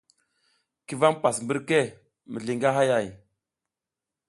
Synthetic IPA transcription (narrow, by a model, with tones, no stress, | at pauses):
ki˦va˦ŋpa˨smbə˦ɾke˦˨ | mḭ˨ɮi˨ŋɡa˦ɦa˦ja˦˨j